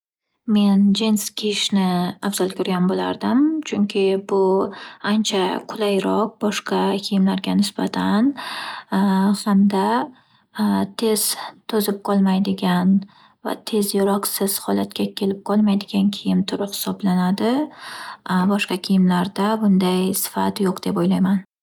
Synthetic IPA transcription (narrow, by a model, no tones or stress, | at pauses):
me̞nd͡ʒenskʲʰeʃnɪavz̥ɒlˠkʰʲʊɾɡʲanbola̰ɾd̪ɪmt͡ʃʰʊŋkʲʰɪbʊant͡ʃʰaqʰʊlˠajɾɒq̚bɒʃqɑkʲʰejɪmlaɾɡʲanɪsbat̪ʰan | hamd̪a | t̪ʰe̞z̥t̪ʰɵzɪp̚qʰɒlˠmajd̪ɪɡʲan | va̰t̪ʰe̞zjɪɾɒqsɪz̥hɒlat̪̚kʲakʲʰe̞lɪp̚qʰɒlˠmajd̪ɪɡʲankʲʰɪjɪmt̪ʰʊɾɪphɪ̥sɒblanad̪ɪ | bɒʃqɑkʲʰijɪmlaɾd̪abʊnd̪ajsɪ̥fa̰t̪joqd̪e̞pojlajman